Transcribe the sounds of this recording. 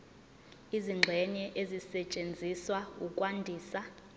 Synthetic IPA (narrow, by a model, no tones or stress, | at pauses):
iziŋ͡ǁʱwɛɲɛʔezisɛt͡ʃʼend͡zʱiswaukʼwandʱiːsa